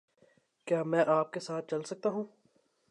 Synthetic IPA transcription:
kjaːmɛ̃ːʔaːp̚kesaːt̪̚t͡ʃɐlsɐk̚t̪aɦũː

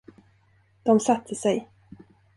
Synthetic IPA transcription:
d̪̥ɔmsat̪ʰːəsɛj

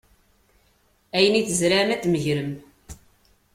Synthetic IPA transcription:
æjəniθəzɾamæt̪məʝɾəm

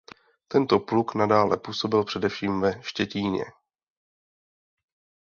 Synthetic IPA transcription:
t̪ɛnt̪o̞pluknadaːlɛpuːso̞bɪlpr̝̥ɛdɛfʃiːmvɛʃcɛciːɲɛ̰

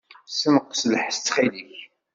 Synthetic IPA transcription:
səməqːsələħst͡sːχiliç

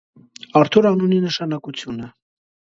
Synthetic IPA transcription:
ɑɾt̪ʰuɾɑnuninəʃɑnɑkut͡sʰjunə

